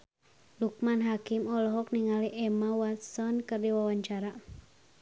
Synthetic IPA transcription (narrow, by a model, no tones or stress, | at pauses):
luk̚manɦakimɔlɔɦɔk̚niŋaliʔɛmawasɔnkɨrdiwawaɲt͡ʃaɾa